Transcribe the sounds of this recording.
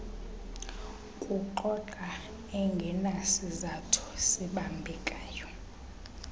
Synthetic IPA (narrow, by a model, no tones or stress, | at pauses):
kʼuǃɔǃa | ɛŋɡʱɛnasizatʰu̥siɓambʱɛkʼaːjɔ